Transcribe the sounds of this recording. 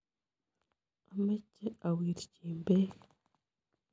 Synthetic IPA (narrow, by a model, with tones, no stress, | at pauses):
a˨me˦cːe˦a˨wiː˨ɾciː˨mbe˦